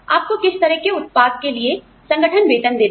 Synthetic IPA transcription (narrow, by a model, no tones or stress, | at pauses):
a̰ːp̚kokɪst̪ɐɾəɦkeʊt̪̚paːd̪̚kelie | sɐ̃ŋɡəʈʰənʋeːʈ̪ənd̪eː